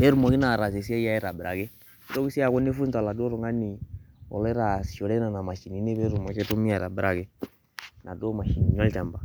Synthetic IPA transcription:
e˦ɾu˦˨mɔ˨ki˦na˨ɾa˨s̬e˨si˦a˦ja˦ɛ˦ɾa˨bɾa̰˨ke˦ | i˦to˦ki˦si˦a˨ko˦ne˦fu˦n˨ta˨la˨do˦ɾo˨ŋa˦ni˨ɔ̰˨lɛ˦ɾa˨sʃo˨lɛ˦na˨na˨ma˨ʃi˨ni˨˦ne˦βɛ˦ɾu˨mɔ˨ke˦to˦mi˦a˨ɾa̰˨bɾʔa˨ke˦ | na˨do˦ma˨ʃi˨ni˨ɲa˦lta˨mba˨

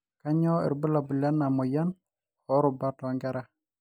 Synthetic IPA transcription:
ka˦ɲɔ˦ḭ˨ɾbu˦la˨bu˨la˦nːa˨mu˨ja˦n | hɔ˦ɾu˨ba˦tɔ˨ŋɡɛ˦ɾa˦

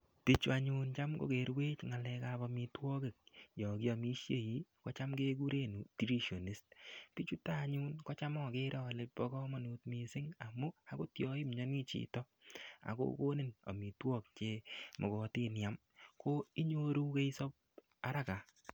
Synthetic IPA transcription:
ti˦t͡ʃua˨ɲu˦nt͡ʃa˦mɡo̰˨ke˨ɾwe˦t͡ʃŋa˨lɛ˧kabɔ˨mi˨twɔ˦ke˨k̚jɔ˨ki˦a˨mi˦ʃje˦˨ji˦kɔ˦t͡ʃa˦mɡe˦k̬u˦ɾe˦˨nu˨ti˨ɾi˦ʃo˨ni˦st̚pi˦t͡ʃu˦ta˦˨ɲu˦nkɔ˦t͡ʃa˦mɔ˦ke˦ɾɔ˨le˦pbɔ˦kɔ˦ma˨nu˨tmi˨sɪ˦ŋa˨mu˦a˦ko˦tjɔ˦i˦mɲɔ˦ni˦t͡ʃḭ˦tɔ˦ | a̰˨ko̰˦ko˦nɪ˦no̰˨mi˨twɔ˦k̚t͡ʃe˧mʔɔ˨kɔ˨ti˦njam | ko˦i˦ɲo˦ɾu˦ke˦i˦so˦p̚ | a˦ɾa˦ka˨

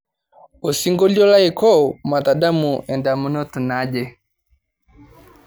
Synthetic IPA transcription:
o˨si˦ŋɡɔ˦d͡ʒɔ˦la˦ikɔ˦ma˨t̪a˨da˦mu˨ɛ˨nda˨mə˦nɔ˦t̪u˨nad͡ʒɛ

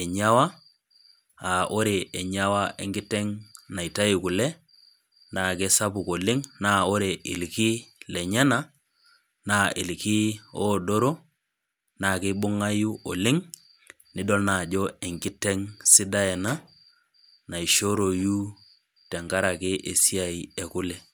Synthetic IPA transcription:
ɛ˨ɲa˦wa˦ | a˨ʔo˦ɾe˨ɛ˨ɲa˦wa˦ʔɛ˨ŋɡi˦tɛ˦ŋna˨i˨ta˦ji˨ku˨lɛ˦ | na˨ke˦sa˦bu˨ko˨lɪ˦ŋna˦o˦ɾe˨ʔɪ̰˨lki˦lɛ˨ɲa˦na˦ | na˦ɪ˨lki˦o˦do˦ɾo˦ | na˨kɪ˦bʊ˦ŋa˦ju˦ʔo˨lɪ˦ŋ | nɪ˦do˦lna˨d͡ʒɔ˦e˨ŋɡɪ˦tɛ˦ŋsi˦da˦ɛ˨na˦ | na˨i˨ʃo˦ɾo˨ju˦ | tɛ˨ŋɡa˦ɾa˨kɪ˦ʔe˨si˦a˨i˨e˨ku˦lɛ˨

